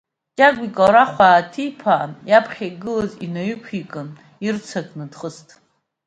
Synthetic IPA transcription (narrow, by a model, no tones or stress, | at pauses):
t͡ʃʼaɡʷikʼaɾaχʷaːtʰijpʰajapʰχʲaɡɨlazinaɥykʷʰikʼɨn | irt͡sʰakʼnɨdχəstʰʼ